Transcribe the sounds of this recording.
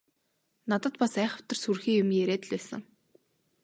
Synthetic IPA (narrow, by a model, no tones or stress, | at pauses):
nat̪ə̆t̪pasæːχə̆w̥t̪ə̆rsurxiːjʊmjeɾeːt̪ɮpæːsə̰̆ŋ